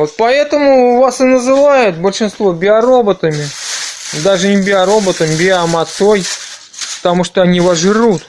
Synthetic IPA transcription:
vot̪̚pɐɛt̪əmʊvasɨnəzɨvajʊt̪̚bəlʲʂɨnst̪vo̞bʲɪɐɾo̞bət̪əmʲɪ | d̪aʐɨnʲɪbʲɪɐɾo̞bət̪əmʲbʲɪamɐt̪soj | pə̥t̪ɐmuʂt̪oɐnʲivɐʐɨɾut̪

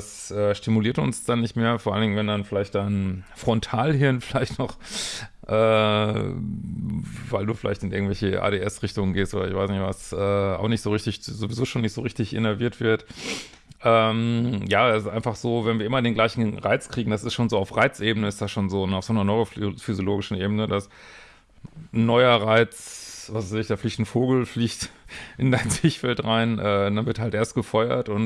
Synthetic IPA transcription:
dasʔɛːʃtimuliːɐtʊ̰nsd̥anːɪçtmeːɐfoːɐʔalndɪŋnvɛndanfɪlaɪçtd̥aɪnfʁ̥ɔntʰaːlhɪɐnfɪlaɪçtnɔχ | ʔɛː | vaɪlduːfɪlʔaɪçtɪnɪɐɡŋ̩tvɛlçəʔa̰ːdeːʔɛsʁɪçtʊŋənɡeːstʔoːdɐɪçv̥aɪsnɪçtv̥asʔɛːʔa̰ʊxnɪçtz̥oːʁɪçtɪçzovizoːʃoːnɪçtz̥oːʁɪçtɪçʔḛnɛɐviːɐtv̥ɪɐt | ʔɛːmjaːdasɪstʔa̰ɪ̃nfaχz̥oːvɛnviːɐɪmɐdeːnɡlaɪçn̩ʁaɪt͡skʁ̥iːɡŋ̩d̥as̬ɪstʃoːnzoːaʊfʁaɪt͡sʔeːbənəɪstd̥asʃoːnzoːnaʊfz̥oːnɐnɔʏʁəffyzjoloːɡɪʃn̩ʔeːbənədas | nːɔʏɐʁaɪt͡svasaɪsɪçd̥aːfliːçtn̩foːɡl̩fliːçtʔɪndaɪnt͡sɪçfɛltʁaɪnʔɛːd̥anvɪɐthaltʔeːɐstɡ̥əfɔʏɐ̰tʊn

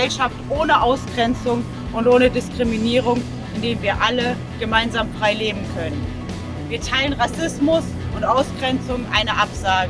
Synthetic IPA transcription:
ɛlʃaftʔoːnəʔaʊsɡ̥ʁɛnt͡sʊŋ | ʊntʔoːnədɪskʁ̥iminiːʁ̞ʊŋ | ɪndeːnviːɐʔalə | ɡ̥əmaɪnzaːmfʁ̥aɪleːbm̩kʰœnən | viːɐtʰaɪlənʁasɪsmʊs | ʔʊntʔaʊsɡ̥ʁɛnt͡sʊŋʔa̰ɪnəʔapz̥aːɡə

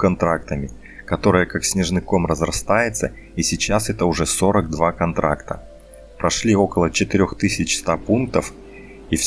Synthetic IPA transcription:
kɐnt̪ɾak̚t̪əmʲɪ | kɐt̪o̞ɾɨjəkaksʲnʲɪʐnɨko̞mrəzrɐst̪ajɪt̪sə | isʲɪt͡ɕːasɛt̪əʊʐɛso̞ɾəɡ̚d̪vakɐnt̪ɾa̰kt̪ə̰ | pɾʔɐʂlʲio̞kəlˠət͡ɕɪt̪ɪɾʲo̞xt̪ɨsʲɪt͡ɕst̪apunk̚t̪əf | if

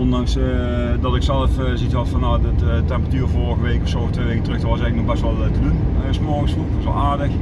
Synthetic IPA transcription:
ɔndɑŋs | dɔtɪksɛlˠəf | zitʋɔtfɔnaətɛmpəratyːrvorəɣəʋeːkəɔfsoːətʋeːʋeːkətərɵxdɔʋɔs̬ɛɣləknɔxbɛstʋɔlˠtədunsmɔrɣənsflukʋɔsʋɔ̰lˠaːrdəx

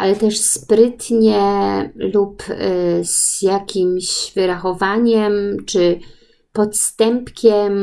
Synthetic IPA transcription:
ʔalɛt̪ɛʂspɾɘt̪ɲɛlup | z̥jakʲimɕvɘɾaxɔvaɲɛmt͡ʂɘ | pɔt̪st̪ɛmpkʲɛm

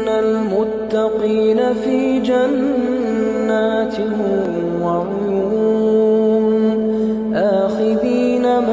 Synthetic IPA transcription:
almʊt̪ːɑqiːnafiːd͡ʒanː | aːt̪ɪhɪm | wɑɾˤ | juu | nn | ʔaːxɪɾiːnam

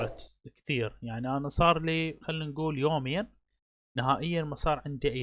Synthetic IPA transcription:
at̪kθiːɾjaʕniʔanasˤɑːɾˤliːxalːinɡuːljoːmɪjːan | nɪhaːʔɪjːanmɑsˤɑːɾˤʕɪnd̪iʔa

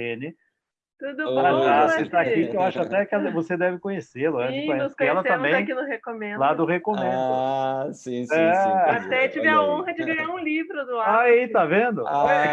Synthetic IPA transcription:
ẽnɪ | t̪ud̪ʊpɾaʒasit̪akiɪewaʃʊat̪ɛkɛlvosed̪ɛvɪkõɲeselʊɛ̃ɪ̃ɔ̃skɛlɐteɐ̃mẽjãkinʊhekomẽnlad̪ʊhekomẽd̪sĩɛat̪ɛt͡ʃivɛaõɦɐt͡ʃɪvɛaũlivɾʊd̪ʊaaeit̪avẽnd̪ʊaɔ

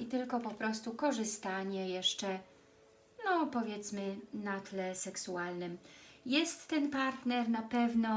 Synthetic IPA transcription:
it̪ɘlkɔpɔpɾɔst̪ukɔʐɘst̪aɲɛjɛʂt͡ʂɛ | nɔpɔvʲjɛt̪smɘnat̪lɛsɛksualnɘmjɛst̪ːɛnpaɾt̪nɛɾnapɛvnɔ

